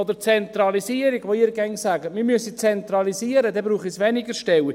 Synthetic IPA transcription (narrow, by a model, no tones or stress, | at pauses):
ɔd̪ət͡sɛnt̪ɾɑlisiəɾiɡ̥ʋoiɾɡɛŋsæːɡəmɪɾmyəsit͡sɛnt̪rɑlisiəɾədɛbɾuːχisʋɛniɡəʃtɛwi